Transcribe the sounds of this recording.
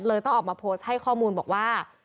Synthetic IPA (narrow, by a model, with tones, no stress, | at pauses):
lɤː˧jt̪ɔ˥˩ŋʔɔː˨˩maː˧pʰoː˦˥st̚ha˥˩jkʰɔː˥˩muː˧nbɔː˨˩k̚waː˥˩